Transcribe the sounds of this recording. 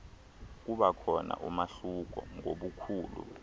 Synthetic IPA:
k̬uɓakʰɔna̰ʔumaɬuk̬ɔŋoɓukʰuːlṵ

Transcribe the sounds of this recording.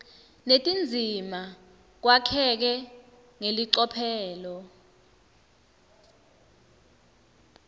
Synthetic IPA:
netʼind͡zʱima | k̬wakʰɛk̬ɛ | ŋeliǀɔpʰɛːlɔ

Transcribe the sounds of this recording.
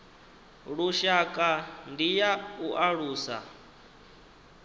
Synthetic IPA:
ɺuʃakʼandijauʔaɺuːsa̰

